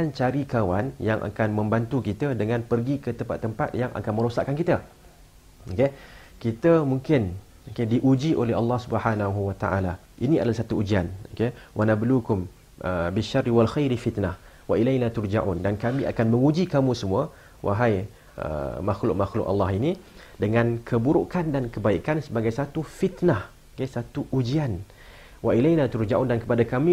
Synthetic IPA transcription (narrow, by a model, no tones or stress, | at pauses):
kant͡ʃaɾikawanjaŋʔa̰kanmə̃mbant̪ukit̪adəŋãnpərɡikət̪əmpa̰t̪ːəmpat̪̚jaŋʔa̰kanmə̃ɾosaʔkːankit̪a | oke | kit̪əmũŋkɪn | okediʔud͡ʒiʔolɛhɦɑlːɑhsubəhanaɦuwat̪a̰ʔa̰la | ʔinĩa̰dalasat̪uud͡ʒianokewʔanablukʊm | əbiʃarːiwalxajɾifit̪nah | waʔilajnat̪ʊɾd͡ʒaʔṵndankamĩa̰kanməŋud͡ʒikamũsəmũa | wʔa̰ɦaj | ə̰maxlʊʔ̚maxlʊ̰ʔɑ̰lːɑɦini | dəŋãnkʰəbuɾuʔkandankəbaiʔkansəbaɡajsat̪ufit̪nah | okesat̪uʔud͡ʒian | waʔilajnat̪uɾd͡ʒaʔundankə̥padakamĩ